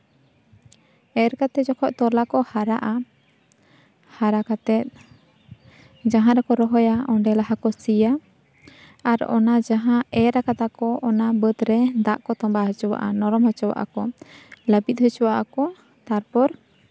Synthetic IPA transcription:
ɛɾkat̪ɛd͡ʒɔkʰɔʔt̪ɔlakɔhaɾa̰ʔa | haɾakat̪ɛt̪̚ | d͡ʒaɦãɾɛkɔɾɔɦɔjaɔɳɖɛlaɦakɔsija | aɾɔ̰nad͡ʒaɦãɛɾakat̪akɔʔɔnabət̪ɾɛd̪aʔkɔt̪ɔmbaɦət͡ʃɔwa̰ʔa̰nɔɾɔmhɔt͡ʃɔwa̰ʔa̰kɔləbit̪̚ɦhɔt͡ʃɔwaʔa̰kɔ | t̪aɾpɔɾ

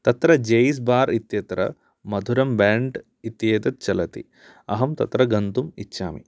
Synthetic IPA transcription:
t̪ɐt̪ɾɐd͡ʒejs̬baːɾit̪jɐt̪ɾɐ̰ | mɐd̪ʱuɾɐmbaːɳɖ | it̪jeːt̪ɐt̪̚t͡ʃɐlɐt̪ḭ | ɐɦɐmt̪ɐt̪ɾɐɡɐnt̪umitːʃa̰ːmḭ

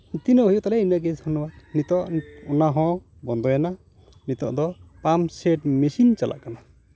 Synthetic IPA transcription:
t̪inɔɦujuʔt̪alɛinaɡɛshɔnɔwanit̪ɔʔɔnaɦɔ̃ | bɔnd̪ɔjana | nit̪ɔ̰ʔd̪ɔpamsɛʈmɛsint͡ʃalʔa̰ʔkana

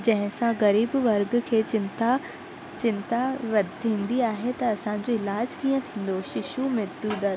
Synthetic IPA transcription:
d͡ʑɐ̃ɦɪ̃sãɣɐɾiːbʋɐɾɡkʰeːt͡ɕɪt̪a | t͡ɕɪ̃nt̪aʋɐd̪t̪ʰĩːn̆d̪iaːɦet̪ɐɐsãɲ̆d͡ʑoɪlaːd͡ʑkiːə̃t̪ʰĩːn̆d̪oʃɪʃumɪd̪ud̪ɐɾ

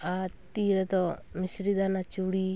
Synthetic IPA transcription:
at̪iɾɛd̪ɔmisɾid̪anat͡ʃuɽi

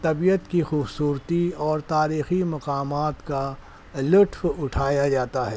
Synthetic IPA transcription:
t̪ɐbijət̪kixuːbsuːɾt̪iɔːɾt̪aːɾiːximɐqaːmaːt̪ka | lʊʈʰfʊʈʰaːjad͡ʒaːt̪aɦɛː

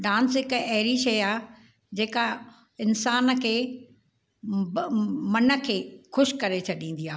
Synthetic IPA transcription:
ɖãːnsɦɪkɐɛɦɪɾiʃɐaː | d͡ʑeːka | ɪnsaːnəkʰeː | mɐnə̆kʰeːxʊʃkɐɾet͡ɕʰɐɗĩːn̆d̪iaː

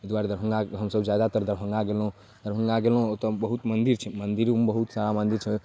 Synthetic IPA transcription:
d̪waɾd̪əɾbʱəŋɡaɦəmsəbd͡ʒjad̪at̪əɾd̪əɾbʱəŋɡaɡelɦũ | d̪əɾbʱəŋɡaɡelɦõt̪ɔbəɦut̪mənd̪iɾt͡ʃʰɛmənd̪iɾumbəɦut̪saɾamənd̪iɾt͡ʃʰɛ

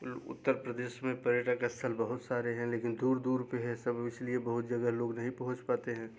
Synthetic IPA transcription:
ʊ̰t̪ːəɾpɾəd̪eːʃmẽpɐɾeːʈakaɪst̪ʰəlbəɦʊt̪saːɾeɦɛ̃leːkɪnd̪uːɾd̪uːɾpeɦɛsɐbɪsliebəɦʊt̪̚d͡ʒɐɡəɦloːɡnɐɦĩpɐɦʊ̃t͡ʃpaːt̪eɦɛ̃ː

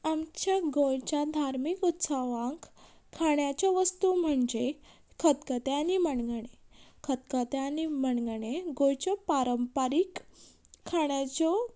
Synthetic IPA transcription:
amt͡ɕjaɡojt͡ɕjad̪ʱaɾmikut̪səʋãŋk | kʰːaɳjat͡ɕɔʋəst̪um̤əɳd͡ʑe | kʰət̪kət̪eaniməɳɡɽ̃ekʰət̪kət̪eanim̤əɳɡəɳ̃eɡojt͡ɕɔpaɾəmpaɾikʰː | aɳjat͡ɕɔ

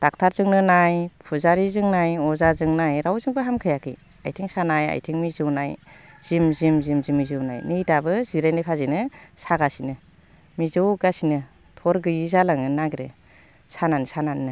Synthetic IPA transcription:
d̥ak̚tʰaɾzɯŋnɯnajpʰuzaɾizɯŋnajɔzazɯŋnajɾawzɯŋbɯɦamkʰɯjakʰḭ | a̰jtʰiŋsanaja̰jtʰiŋmizɯwnaj | z̥imzimzimzimːizɯwna̰jnɯjdabɯziɾajnɯpʰazinɯsaɡasinɯ | mizɯwɡasinɯ | tʰɔɾɡɯjizalaŋɯnaɡɾḛ | sanansananːɯ

